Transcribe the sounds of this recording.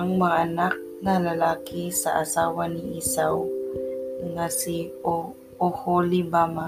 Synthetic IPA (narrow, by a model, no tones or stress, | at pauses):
aŋmɐŋaʔanak̚nalalaːkɪsa̰ʔasaːwanɪʔiːsaw | ŋasio | oholɪbama